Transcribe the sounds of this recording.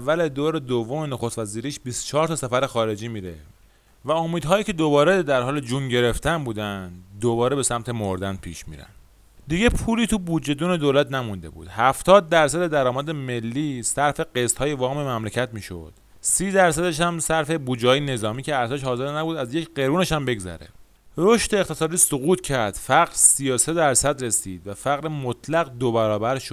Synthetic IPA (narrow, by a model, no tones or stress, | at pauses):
ævːæled̪oːɾed̪ovːomenoxost̪væziːɾiːʃbist̪o̥t͡ʃʰɒːɾt̪ʰɒsæfæɾexɒːɾe̞d͡ʒiːmiːɾḛ | væo̞miːd̪ɦɒːjiːcʰe̞d̪obɒːɾed̪æɾɦɒːled͡ʒunɟe̞ɾe̞ft̪ænbuːd̪ænd̪d̪oβɒːɾe̞be̞sæmt̪ʰe̞moɾd̪ænd̪̚pʰḭːʃmḭːɾæ̰nd̪ | d̪iːɟe̞pʰuːliːt̪ʰubud͡ʒe̞d̪uːne̞d̪oːlæt̪ʰnæmund̪e̞̰bṵːd̪̥hæft̪ʰɒːd̪̚ːæɾsæd̪e̞d̪æɾɒːmæd̪eme̞lːiːsæɾfe̞ɢest̪hɒːjevɒːme̞mæmlecʰæt̪miːʃo̰d̪̥ | siːd̪æɾsæd̪eʃæmsæɾfe̞buːd͡ʒɛhɒːjene̞zɒːmiːcʰeæɾt̪eʃhɒːze̞ɾnæbuːd̪æzjecʰɢe̞ɾuːne̞ʃæmbe̞ɡzæ̰ɾḛ | ɾo̞ʃt̪e̞ːχt̪e̞sɒːd̪iːsoɣuːt̪cʰæɾd̪̥fæɣɾsiːjose̞d̪æɾsæd̪ɾe̞siːd̪væfæɣɾemot̪ʰlæɣd̪obæɾɒːbæɾʃo̥